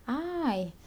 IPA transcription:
ˈɐɪ

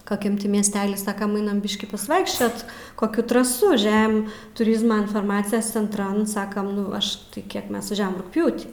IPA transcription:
kɐˈkʲɛm ˈtʲɪ mʲiɛsʲˈtʲæːlʲiː ˈsɑːkɐm ˈɐɪnɐm ˈbʲɪʃʲkʲiː pɐsˈʋɐɪkʃʲt͡ʃʲoːt koːˈkʲuː trɐˈsuː ˈʒʲɛm tʊˈrʲɪzmɐ ɪnfɐrˈmɑːt͡sʲɪjɛs t͡sʲɛnˈtrɐn ˈsɑːkɐm ˈnʊ ˈɐʃ tɐɪ ˈkʲiɛk ˈmʲɛs ʋɐˈʒʲæːʋɐm rʊkˈpʲjuːtʲiː

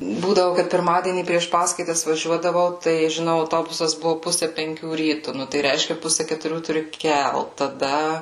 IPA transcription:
ˈbuːdɐʋʊ kɐt pʲɪrˈmɑːdʲiɛnʲiː pʲrʲiɛʃ ˈpɑːskɐɪtɐs ʋɐˈʒʲuɔdɐʋɐʊ tɐɪ ʒʲɪˈnɐʊ ɐʊˈtoːbʊsɐs ˈbʊʋʊ ˈpʊsʲɛ pʲɛŋʲˈkʲuː ˈrʲiːtʊ ˈnʊ tɐɪ ˈrʲɛɪʃʲkʲɛ ˈpʊsʲɛ kʲɛtʊˈrʲuː tʊˈrʲɪ ˈkʲɛlˠt tɐˈdɐ

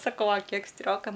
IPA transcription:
sɐˈkɐʊ ɐ ˈkʲiɛk ˈsʲtʲrʲoːkɐ

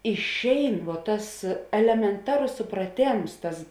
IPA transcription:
ɪʃʲˈɛɪn ʋuɔ ˈtɐs ɛlʲɛmʲɛnˈtɑːroːs sʊprɐˈtʲeːms ˈtɐs

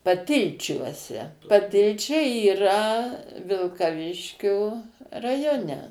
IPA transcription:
pɐˈtʲɪlʲt͡ʃʲuɔsʲɛ pɐˈtʲɪlʲt͡ʃʲɛɪ iːˈrɐ ʋʲɪlˠkɐˈʋʲɪʃʲkʲoː rɐˈjoːnʲɛ

